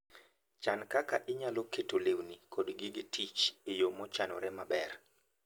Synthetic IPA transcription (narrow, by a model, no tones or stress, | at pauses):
t͡ʃankakaʔɪɲaloketolewnikodɡɪɡɪtʰit͡ʃejomɔt͡ʃanɔ̰ɾɛmabɛr